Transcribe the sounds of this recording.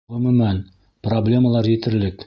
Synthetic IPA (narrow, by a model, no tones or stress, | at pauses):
ʁɵ̆mɵ̆mæn | problʲe̞məlˠɑɾjit̪ɘ̆ɾlɘk